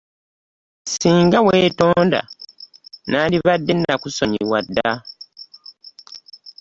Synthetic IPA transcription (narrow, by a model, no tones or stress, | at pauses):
siːŋɡaweːtoːnda̰ | naːliβadːe̞nːakuso̞ɲiiwadːa